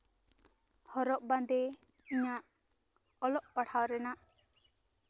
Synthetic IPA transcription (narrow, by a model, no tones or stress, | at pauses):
hɔɾɔʔband̪ɛ | iɲaʔ | ɔlɔʔpaʈʰawɾɛnaʔ